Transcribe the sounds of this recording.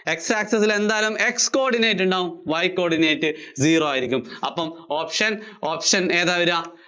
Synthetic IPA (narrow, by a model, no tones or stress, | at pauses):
e̞ksaːksɐsile̞nd̪aːlume̞ksko̞ːrɖinejtːuɳɖaːʋumʋɐjkːoːrɽinejtːɨziːroaːjiɾikʲːumɐ̰pːɐmoːpʂɐnoːpʂɐne̞ːðaːʋɐɾaː